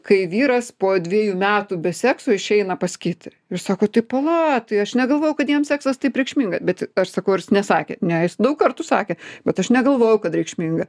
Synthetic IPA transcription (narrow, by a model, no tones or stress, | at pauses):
kɐɪʋʲiːɾɐspoːd̪ʲʋʲiɛjuːmʲæːt̪ubʲɛsʲæːksoːɪʃʲɛɪnɐpɐsʲkʲiːt̪ʲ | ɪrsɑːkoːt̪ɐɪpɐlˠɑt̪ɐɪɐʃnʲɛɡɐlˠʋoːjɛʊkɐt̪jiɛmsʲæːksɐst̪ɐɪpɾʲɛɪkʃʲmʲiːŋɡɐbʲɛt̪ɐʃsɐkɐʊɾʲɪsnʲɛsɑːkʲḛnʲɛjɪsd̪ɐʊkkɐrt̪usɑːkʲeːb̥ʲɛt̪ɐʃnʲɛɡɐlˠʋoːjɛʊkɐt̪ɾʲɛɪkʃʲmʲiːŋɡɐ